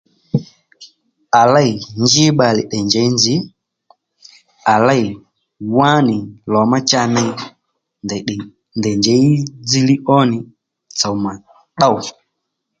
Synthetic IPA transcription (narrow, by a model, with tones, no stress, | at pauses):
a˨la˦i˨ɲd͡ʒi˦ɓa˨li˨ɗɛ˨nd͡ʒɛ˨i˦nd͡ʒi˨˦ | a˨la˦i˨ | wa˦ni˨lɔ˨ma˦t͡ʃa˦nɛ˦i˦ | ndɛ˨ɗ | ndɛ˨ɲd͡ʒɛ˨˦i˦d͡zi˦li˦ʔɔ˦ni˨ | t͡sa˨u˨ma˨ | ɗa˦u˨